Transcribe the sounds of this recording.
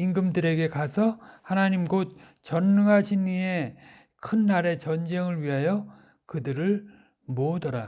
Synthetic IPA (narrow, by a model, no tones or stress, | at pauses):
iŋɡɯmdɯɾe̞ɡe̞kasʰʌhanaɲimɡot̚ | t͡ɕʌnːɯŋɦaɕʰinːie̞ | kʰɯnːaɾe̞t͡ɕʌnd͡ʑe̞ŋɯɭɥiɦajʌ | kɯdɯɾɯɭ | modʌɾa